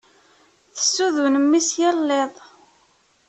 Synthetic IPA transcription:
θə̥sːuðunəmːisjəlːeðˤ

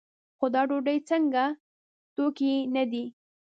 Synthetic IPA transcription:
xod̪ɑɖoɖəjt͡səŋɡa | t̪okinad̪i

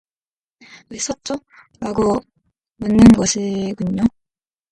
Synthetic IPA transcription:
es͈ʌt̚t͡ɕ͈o | ɾaɡo | mɯnːɯnɡʌɕʰiɡuɲːo

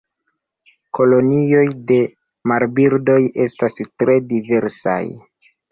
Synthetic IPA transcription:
ko̞lo̞nio̞jde̞ | maɾbiɾdo̞je̞stastɾe̞dive̞ɾsa̰j

